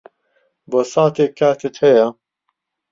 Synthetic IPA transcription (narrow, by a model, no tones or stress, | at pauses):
bɐsɑːt̪eːkʰaːt̪ʰɨt̪hɛja